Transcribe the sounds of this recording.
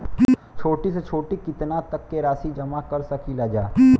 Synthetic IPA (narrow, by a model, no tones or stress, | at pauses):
t͡ʃʰoːʈiset͡ʃʰoːʈikɪt̪nat̪ɐkːeɾaːsid͡ʒɐmakɐɾsɐkʰilaːd͡ʒaː